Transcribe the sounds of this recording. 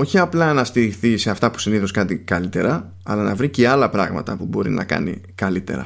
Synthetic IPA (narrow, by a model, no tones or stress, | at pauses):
o̞çiɐplɐnɐst̪iɾiθise̞ɐft̪ɐpu̥siniθoskɐt̪ikɐlit̪e̞ɾɐ | ɐlɐnɐ̰vɾiceɐlɐpɾɐɣmɐ̰t̪ɐpubo̞ɾḭnɐ̰kɐ̰nḭkɐlit̪e̞̰ɾɐ̰